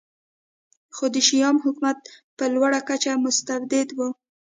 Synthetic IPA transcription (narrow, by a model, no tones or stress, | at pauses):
xod̪əʃijɑmhʊkmat̪̚pəlwaɽakat͡ʃamʊst̪aɾd̪ɪd̪wu